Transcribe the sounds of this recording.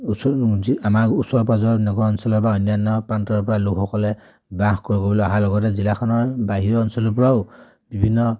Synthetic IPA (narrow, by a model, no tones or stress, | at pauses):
iamaɹusɔɹpazɔɹnɔɡɔɹɔnsɔlɔɹbaɔnjanːɔpɹantɔɹpɔɹalukʰɔkɔlɛ | baxkoɹikobɔlɔaɦalɔɡɔt̬ɛzilakʰɔnɔɹbaɦiɹɔɔnsɔlɔɹpɔɹaʊ | bibʱinːɔ